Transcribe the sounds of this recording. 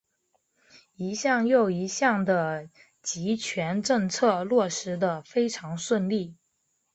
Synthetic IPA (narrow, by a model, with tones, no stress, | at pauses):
i˧˥ɕjɑ˥˧ŋjo˥˩ʊi˧˥ɕjɑ˥˩ŋd̪ə˩ | t͡ɕi˧˥t͡ɕʰɥɛ˧˥nʈ͡ʂɤ˥˧ŋt͡sʰɤ˥˧lwɔ˥˩ʂɻ̩˧˥d̪ə˧fe˥ɪʈ͡ʂʰɑ˧˥ŋʂwə˥˧nli˥˩